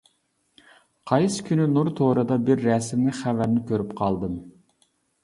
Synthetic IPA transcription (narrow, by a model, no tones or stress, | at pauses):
qʰɑjsɨ̥kʲʰynynuɾt̪ʰoɾɨd̪ɑbɪɾːɛsɪmnɪχævæɾnɪkʲʰøɾypqʰɑlˠd̪ɨm